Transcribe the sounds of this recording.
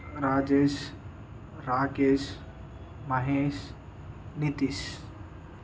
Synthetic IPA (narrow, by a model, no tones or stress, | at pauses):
ɾaːd͡ʒeʃ | ɾaːkeːs | mɐɦeːs | nit̪is